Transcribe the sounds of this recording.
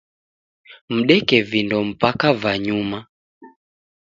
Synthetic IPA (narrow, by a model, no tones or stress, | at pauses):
m̩ɗɛkɛvindɔm̩pakavaɲuma